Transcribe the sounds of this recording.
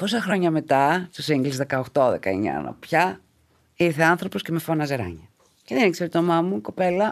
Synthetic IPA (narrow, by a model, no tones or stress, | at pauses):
po̞sɐxɾo̞ɲɐme̞t̪ɐst̪osiŋɡlizðekɐoxt̪o̞ðekɐeɲɐ̰nɐ̰popçɐ | iɾθe̞ɐnθɾo̞po̞sce̞me̞fo̞nɐzeɾɐ̰ɲɐ | ceðenekseɾt̪omɐmuko̞pe̞lɐ